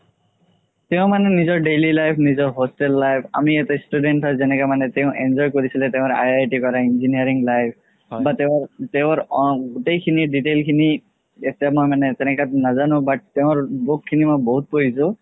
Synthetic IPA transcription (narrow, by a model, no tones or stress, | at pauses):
teʊ̃manɛnizɔɹɖelilajpʰnizɔɹɦostɛlːajpʰa̰miɛtɛstudɛntɦɔzɛnɛkamanɛteʊ̃ʔɛnzɔjkoɹisilɛteʊ̃ɹa̰jajʈikɔɹainziniaɹiŋlajp̚ʰ | bateʊ̃teʊ̃ɹɔɡutejkʰiniɖitelkʰini | etijamojmanɛtɛnɛkatnazanʊ̃bat̚teʊ̃ɹbokʰːinimojboɦut̚poɦisʊ̃